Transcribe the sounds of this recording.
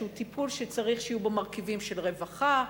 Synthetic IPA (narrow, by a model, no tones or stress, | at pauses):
utipʰulʃet͡saʁiχʃijubemaʁkivimʃe̞lʁe̞vaχa